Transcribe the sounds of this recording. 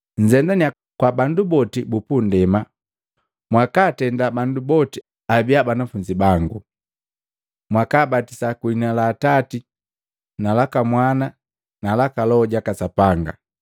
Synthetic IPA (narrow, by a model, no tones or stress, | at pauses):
ɲd͡ʒɛndania | kwabandubɔtibupundɛma | mwakaːtɛndabandubɔti | abiabanafuɲd͡ʒibaŋɡu | mwakaːbatisakuinalaːtati | nalakamwana | nalakalɔɟakasapaŋɡa̰